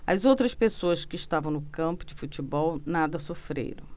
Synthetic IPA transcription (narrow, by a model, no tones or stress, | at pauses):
ɐ̰zowt̪ɾɐspesoɐskɪːʃt̪avɐ̃w̃nʊkɐ̃pʊd͡ʒɪfut͡ʃibɔwnad̪ɐsofɾḛjɾɐ̰̃w̃